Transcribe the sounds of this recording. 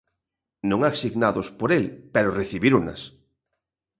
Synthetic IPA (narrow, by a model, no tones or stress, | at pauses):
nõŋaksiɣnaðospoɾelpɛɾoreθiβiɾuna̰s